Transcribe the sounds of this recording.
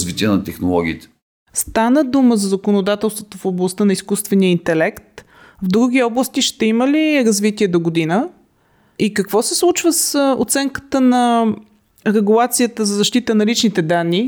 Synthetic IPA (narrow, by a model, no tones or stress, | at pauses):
zvit̪iənɐt̪ɛxno̰lˠɔɡ̟ʲḭːt̪ɛ̥ | st̪anəd̪uməzɐzɐkonod̪at̪ɛlˠst̪vot̪ofoblˠɐst̪ənɐiskust̪vɛniəint̪ɛlɛkt̪ | vd̪ɾuɡ̟iɔblˠəst̪iʃt̪ɛiməliɾɐzvit̪iɛd̪oɡod̪inə | ikɐkvɔsɛslˠut͡ʃvəso̰t̪sɛŋkə̥t̪ənɐ | ɾɛɡulˠat̪sijət̪əzɐzɐʃt̪it̪ənɐlit͡ʃnit̪ɛd̪anːi